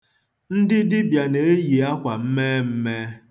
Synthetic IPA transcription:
n̩˦dɪ˦dɪ˦bja˨ne˨e˦ji˨a˦kʷa˨m̩˦me˦m̩˦me˦

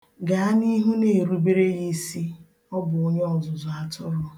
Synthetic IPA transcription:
ɡa˨a˦ni˦ɦu˦ne˨ɾu˦be˦ɾe˦ɣi˦si˦ | ɔ˦bʊ˨o˦ɲe˦ɔ˨zʊ˨zʊ˨a˨tʊ˦ɾʊ˨

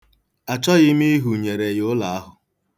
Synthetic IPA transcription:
a˨t͡ʃɔ˦ɣɪ˦mi˦ɦu˨ɲe˨ɾe˨jʊ˦la˨a˦ɦʊ˨

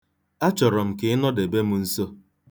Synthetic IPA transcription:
a˦t͡ʃɔ˨ɾɔ˨m̩˨kɪ˨ɪ˦nɔ˦de˨be˦mu˦n̩˦so˦

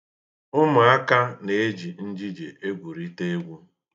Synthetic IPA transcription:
ʊ˦mʊ˨a˦ka˦ne˨e˦d͡ʒi˨n̩˦d͡ʒi˦d͡ʒe˨ʔe˦ɡʷu˨ɾi˦te˦e˦ɡʷu˦

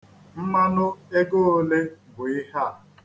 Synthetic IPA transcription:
m̩˦ma˦nʊ˦e˦ɡo˦o˦le˦bʊ˨ɪ˦ɦa˦˨

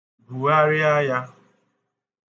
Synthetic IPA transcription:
bu˨a˦ɾɪ˦a˦ja˦

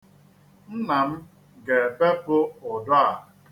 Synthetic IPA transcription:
n̩˦na˨m̩˦ | ɡe˨pe˦pʊ˦ʊ˨dɔ˦a˨

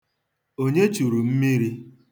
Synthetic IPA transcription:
o˦ɲe˦t͡ʃu˨ɾu˨m̩˦mi˦ɾi˦

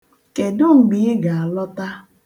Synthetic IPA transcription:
ke˨dʊ˦ŋ͡m̩˨ɡ͡bi˨˦e˦ɡa˨a˨lɔ˦ta˦

